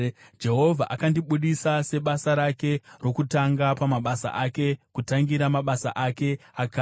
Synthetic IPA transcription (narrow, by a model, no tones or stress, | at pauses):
d͡ʒe̞ɦo̞vʱa̰ʔakandiɓuɗisase̞ɓasaɾake̞ro̞kutaŋɡapamaɓasa̰ʔake̞kutaŋɡiɾamaɓasa̰ʔake̞akaː